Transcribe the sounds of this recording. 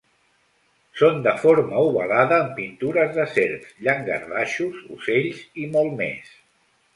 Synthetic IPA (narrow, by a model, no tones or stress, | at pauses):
sond̪əfoɾməuβə̰laðəːmpint̪uɾəzðəseɾkʎaŋɡə̰rðaʃuzṵseʎzimɔlˠmḛs